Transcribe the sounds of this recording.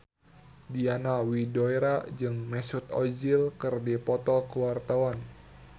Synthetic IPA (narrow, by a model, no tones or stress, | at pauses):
dianawidɔiɾad͡ʒɨŋmɛsut̪ɔ̰d͡ʒilkɨrdipɔt̪ɔkəwart̪awan